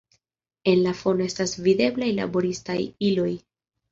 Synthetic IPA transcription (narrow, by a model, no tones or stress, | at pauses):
e̞nlafo̞noe̞stasvide̞blajla̰bo̞ɾistajilo̞j